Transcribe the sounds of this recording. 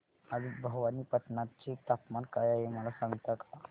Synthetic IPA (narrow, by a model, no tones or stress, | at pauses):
ad̪ibʱəɡʋaniːpət̪nat͡ɕit̪apmankajaɦeməlasãŋɡt̪ak̪a